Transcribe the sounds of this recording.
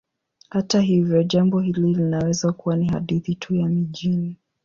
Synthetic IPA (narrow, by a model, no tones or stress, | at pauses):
hataɦivjɔʄambɔhililinawɛzakuwaniɦa̰ɗiθitʰujamiʄini